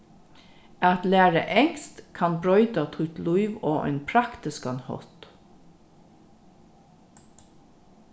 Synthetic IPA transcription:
ɑt̪læːɹə̰ʔɛŋst̪kʰɑnbɹœʏd̪ɑt̪ʰʊt̪luʏʋoːʔḛːnpʰɾɑkt̪ɪskɑnhɔ̰t̪

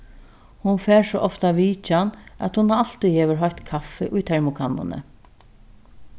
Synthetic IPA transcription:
hʊnfɛːɹsɔʔɔft̪aʋiːt͡ʃanæ̰t̪hʊnaal̥t̪iheːʋəɹɦɔçt̪kʰafɪʔʊjt̪ʰɛɹmʊkʰanːʊ̰nə̰

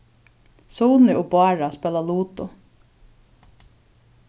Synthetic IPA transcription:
suːnɪʊbʊɑːɹaspɛːlaluːt̪ʊ

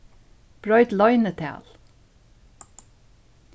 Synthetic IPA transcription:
b̥ɹɔʏt̪lɑʏnət̪ʰæ̰ːl

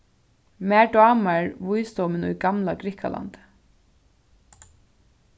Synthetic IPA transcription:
mæɖɑːmaɹʋujst̪ɔwmɪnṵjɡamlaɡɾɪkʰa̰lʔa̰nt̪

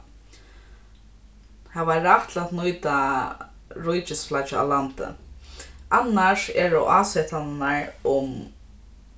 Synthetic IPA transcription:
havaɾaht̪ʰlat̪nujt̪a | ɾujt͡ʃɪsflat͡ʃɪa̰lant̪ɪ̰ | anːaʂɛɾɔ̰ʔaːsɛt̪ʰannaɹʊm

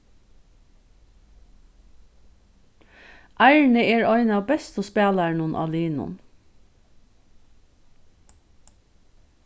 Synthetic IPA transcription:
ʔæɪɹɳəeːɹɔʏnɑːʋbɛst̪ɔspɛːlæɳʊnʔɑ̰liːnʊ̰n

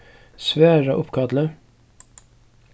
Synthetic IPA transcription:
sʋæːɹɑʔʊpkʰɑd̪lə

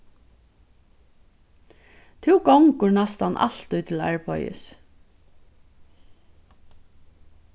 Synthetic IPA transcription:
t̪ʰɪwɡɔŋkʊɹnast̪anʔa̰l̥t̪ʊjt̪ʰɪlæ̰ɹpɔ̰jɪ̰s

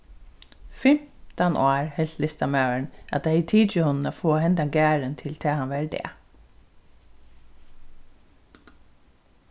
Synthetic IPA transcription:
fɪmt̪ɑnʔoːɹhɛlt̪lɪst̪ɑmæʉəɳʔɑt̪̚d̪eiːt̪ʰiːd̪t͡ʃəhɔnn̩oːfoːhɛnd̪ɑɡæːɹənt̪ʰɪlt̪ʰeːhɑnʋɛːɾɖ̪ḛː

